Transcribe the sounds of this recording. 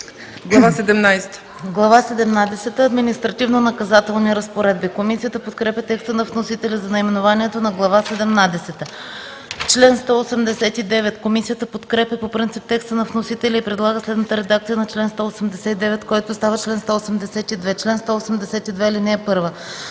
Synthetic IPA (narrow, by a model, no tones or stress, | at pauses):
ɡlˠɐvasɛd̪ɛmnajst̪ə̥ | ɡlˠɐvasɛd̪ɛmnad̪ɛsɛt̪əɐd̪minist̪ɾɐt̪ivnonɐkɐzat̪ɛlˠniɾɐspoɾɛd̪̚bikomisijət̪əpot̪kɾɛpʲɐt̪ɛkst̪ənɐfnosit̪ɛlʲizɐnɐimɛnovaniɛt̪onɐɡlˠɐvasɛd̪ɛmnad̪ɛsɛt̪ə | t͡ʃlɛnst̪ɔosɛmd̪ɛsɛt̪id̪ɛvɛt̪komisijət̪əpot̪kɾɛpʲjəpopɾint̪sip̚t̪ɛkst̪ənɐfnosit̪ɛlʲɛipɾɛd̪lˠaɡəslɛd̪nət̪əɾɛd̪akt̪sijənɐt͡ʃlɛnst̪ɔosɛmd̪ɛsɛt̪id̪ɛvɛt̪kɔjt̪ost̪avət͡ʃlɛnst̪ɔosɛmd̪ɛsɛt̪id̪vɛt͡ʃlɛnst̪ɔosɛmd̪ɛsɛt̪id̪vɛilinɛːpɤɾvə